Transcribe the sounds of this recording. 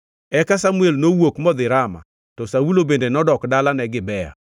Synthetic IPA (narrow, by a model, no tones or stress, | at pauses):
ɛkasamuelnowokmɔd̪ɪɾama̰ | tɔsawulobendenɔdɔkdalanɛɡɪbɛja̰